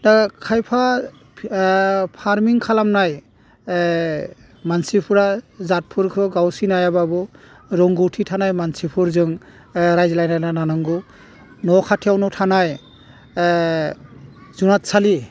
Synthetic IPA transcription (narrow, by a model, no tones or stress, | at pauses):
nakʰajpʰa | pʰaɾmiŋkʰalamnaj | mansipʰuɾazat̚pʰuɾkʰɯɡawsinajababɔ | ɾɔŋɡɔwtʰitʰanajmansipʰuɾzɯŋ | ɾajzlajnajnananɯŋɡɯ | nɔkʰatʰijawnɔtʰanaj | zunat̚sali